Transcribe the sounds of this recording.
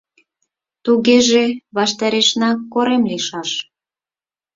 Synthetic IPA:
t̪uɣeʒeβɑʃt̪ɑɾeʃnɑkːoɾemliʃɑʃ

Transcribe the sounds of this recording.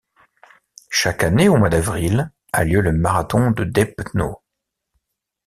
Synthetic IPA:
ʃakaneomwad̪avʁil | a̰ljøləmaʁat̪ɔ̃d̪əd̪ɛpno̰

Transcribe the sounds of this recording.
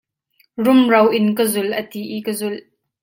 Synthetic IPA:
rʊmrɐwʔɪnkəzʊlʔət̪iʔikəzʊl

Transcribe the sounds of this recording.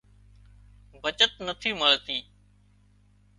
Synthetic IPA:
bʱət͡ʃət̪nət̪ʰiːməɭt̪iː

